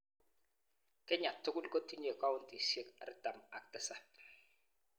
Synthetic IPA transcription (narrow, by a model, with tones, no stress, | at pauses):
kɛ˦ɲa˨tːʊ˦ɡʊ˦lko˦ti˦ɲe˨ka˦wʊ˦nti˨sje˦ka˨ɾɪ˦ta˨ma̰˨k̚tɪ˦sa˦